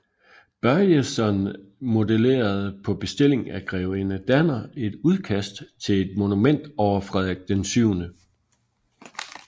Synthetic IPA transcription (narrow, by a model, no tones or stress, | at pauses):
b̥ɶɐjesɒnmo̝dele̝̰ːɐð̞̩ˠpʰɒ̽b̥e̝sd̥e̝l̰e̝ŋæɡ̥ʁɛʊenəd̥ænɐe̝d̥uð̞ˠkʰæsd̥t͡sʰe̝le̝d̥mo̝numen̰d̥ɒʊ̰ɐfʁɛðˠeɡ̥̚d̥ensyʊ̰nə